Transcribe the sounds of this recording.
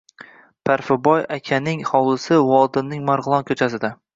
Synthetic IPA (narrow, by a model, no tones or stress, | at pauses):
pʰaɾfɪbɒjakʲʰanɪŋχɒwlˠɪsɪwɒlˠd̪ɪnnɪŋmaɾʁɨlˠɒnkʲʰɵt͡ʃʰasɪd̪a